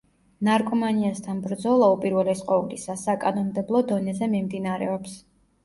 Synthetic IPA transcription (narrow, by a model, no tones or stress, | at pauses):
naɾkʼɔmaniast̪ʰanbɾd̪zɔlˠaupʼiɾvɛlɛsqʼɔulisasakʼanɔnmd̪ɛblˠɔd̪ɔnɛzɛmimd̪inaɾɛ̰ɔps